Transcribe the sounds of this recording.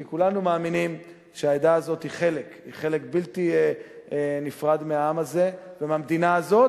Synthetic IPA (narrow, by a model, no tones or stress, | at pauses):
kikulanumaːminim | ʃeaed̪aːzo̞t̪hiχe̞le̞kḭχe̞lekbiltie | nifʁad̪meaamaze̞vemamd̪inaːzo̞t